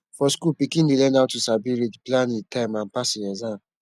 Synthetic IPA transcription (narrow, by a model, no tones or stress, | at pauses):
fɔskulpikĩndelɛ̃naʊtːusabiɹedplãnitãɪ̃mãnpasiɛzan